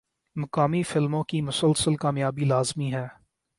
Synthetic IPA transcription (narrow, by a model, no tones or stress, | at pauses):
mɐkaːmifɪlmõkimʊsəlsəlkaːmjaːbilaːzmiɦɛː